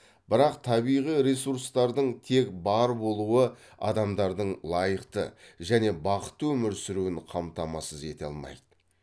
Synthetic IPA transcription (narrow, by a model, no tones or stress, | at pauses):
b̥ɪɾɑqt̪ʰɑbijʁijɾesuɾst̪ɑɾd̪əɴt̪ʰe̞kbɑɾbo̞lˠuə | ɑ̰d̪ɑmd̪ɑɾd̪əɴlˠɑjəqt̪ə̰ʒæne̞bɑqə̥t̪ːwɵmɪɾsɪɾuɪnqʰɑmt̪ɑmɑsəze̞t̪eɑ̰lˠmɑ̰jd̪̥ə